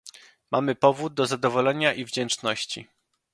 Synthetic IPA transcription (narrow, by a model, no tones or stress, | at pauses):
mamɘpɔvud̪̚ːɔzad̪ɔvɔlɛɲaʔivd͡ʑɛnt͡ʂnɔɕt͡ɕḭ